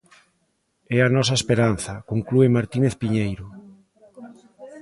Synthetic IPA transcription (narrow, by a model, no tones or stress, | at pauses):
ɛanɔs̬ɐespeɾan̟θɐkoŋkluemaɾt̪ineθpiɲejɾo